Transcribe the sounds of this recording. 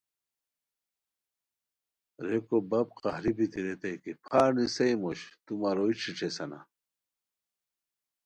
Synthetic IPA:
ɾekobɐb̚qahɾibit̪iɾet̪ɐjkipʰaːnisɐjmoɕt̪umaɾoiʈ͡ʂʰiʈ͡ʂʰesɐna̰

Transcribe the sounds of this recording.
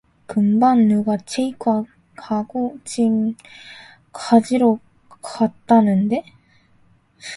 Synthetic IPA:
kɯmbanːɯɡat͡ɕʰeikɯa | kaɡot͡ɕiŋ | kʰad͡ʑiɾo | kʰat̪͈ːanɯnd̪e̞

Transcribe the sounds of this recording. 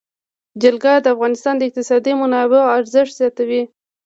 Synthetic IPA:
d͡ʒalɡɑd̪əafɣɑnɪst̪ɑnd̪əɪq̚t̪ɪsɑd̪imʊnɑbeoaɾzɪʂt̪z̥jɑt̪awi

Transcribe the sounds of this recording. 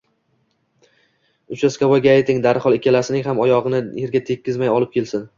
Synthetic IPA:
ʊt͡ʃaskavaɡʲaajt̪ʰɪŋd̪aɾχɒlˠɪkʲʰalasɪnɪŋʲɦamɒjɒʁɨnɪjeɾɡʲat̪ʰe̞kʲːɪzmajɒlˠɪp̚kʲʰe̞lsɪn

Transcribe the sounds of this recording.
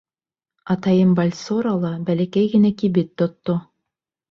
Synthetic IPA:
ɑt̪ɑjɤmbɑlʲsoɾalˠɑbælækæjɡɘ̆nækibɘt̪ːŏt̪ːo

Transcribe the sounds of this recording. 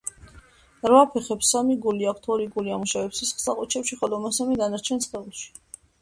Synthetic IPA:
ɾvapʰɛχɛpsamiɡuliakʰt̪ʰɔɾiɡuliamuʃavɛpsɛsχsaqʼɔt͡ʃʰɛpʃiχɔlɔmasamid̪anaɾt͡ʃʰɛnst̪ʰɛulˠʃi̥

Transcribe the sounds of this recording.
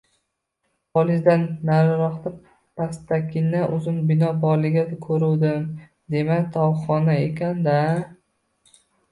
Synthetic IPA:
pɒlɪzd̪anːaɾɾɒχt̪ɪ | past̪akʲʰɪnaʔʊzɪmbɪnɒbɒɾlɪɡʲad̪akʰɵɾuwd̪ɪm | d̪e̞makt̪ʰɒwχɒnaekʲʰand̪a

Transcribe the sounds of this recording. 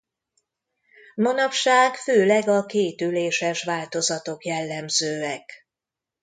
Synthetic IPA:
mɒnɒpʃaːɡføːlɛɡɒkeːt̪yleːʃɛʃʋaːlt̪o̞zɒt̪o̞kjɛlːɛmzøːɛk

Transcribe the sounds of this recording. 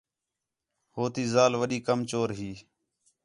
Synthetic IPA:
hoːt̪iːzaːlʋəɗiːkəmt͡ʃoːɾɦiː

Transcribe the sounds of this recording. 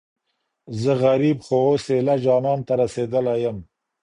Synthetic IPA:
zəɣaɾibxooselad͡ʒɑnɑnt̪aɾased̪əlajəm

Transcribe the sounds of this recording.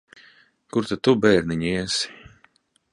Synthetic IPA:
kuɾt̪at̪ubɛːɾniɲiɛsi̥

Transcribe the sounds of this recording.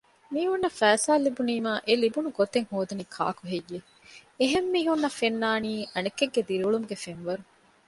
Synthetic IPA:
miːɦunːɐfæːsaːlːibuniːmaːʔelibunuɡot̪eŋhoːd̪unikʰa̰ːkuɦejːe | eɦemːiːɦunːɐfenːaːniːʔɐnekːeɡːed̪iɾiuɭumuɡefenʋɐɾu

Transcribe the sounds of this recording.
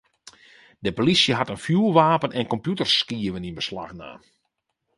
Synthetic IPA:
dəpolisjəɦatənfjulˠʋaːpənɛnkɔmpjutərskiəʋəninbəsla̰xna̰ː

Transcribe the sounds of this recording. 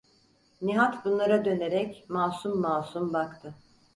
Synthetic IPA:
niɦat̪bunlˠaɾad̪ø̞ne̞ɾɛcmaːsumːaːsumbakt̪ʰɯ

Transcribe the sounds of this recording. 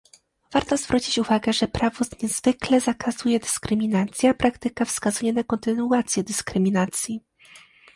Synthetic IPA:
v̥aɾt̪ɔzvɾut͡ɕit͡ɕuvaɡɛʐɛpɾavɔzɲɛzvɘklɛzakʰazujɛd̪ɘskɾɘmʲinat̪sʲjapɾakt̪ɘkafskazujɛnakɔnt̪ɘnuat̪sʲjɛd̪ɘskɾɘmʲinat̪sʲji

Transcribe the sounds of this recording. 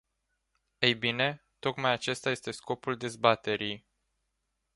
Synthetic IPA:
ejbine̞ | t̪o̞kmajat͡ʃe̞st̪aje̞st̪e̞sko̞puld̪e̞zbat̪e̞ɾij

